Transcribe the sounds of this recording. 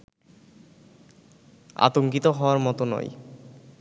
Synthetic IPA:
a̰t̪oŋkit̪oɦɔoaɾmɔt̪onɔ̰j

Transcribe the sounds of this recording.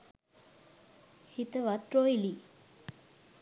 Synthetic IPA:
hit̪əʋat̪ɾoili

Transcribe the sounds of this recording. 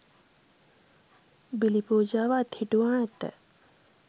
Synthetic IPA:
bilipoːd͡ʒaːʋaːt̪hiʈuwaːɛt̪ə̰

